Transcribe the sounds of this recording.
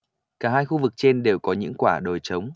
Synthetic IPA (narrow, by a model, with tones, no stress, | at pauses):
kaː˧˩ɦaː˧jxu˧vɨ˨˩k̚t͡ɕe˧nɗe˨˩wkɔ˨˦ɲɨ̰˧˥ŋkwaː˧˩ɗo˨˩jt͡ɕə˨˦wŋ͡m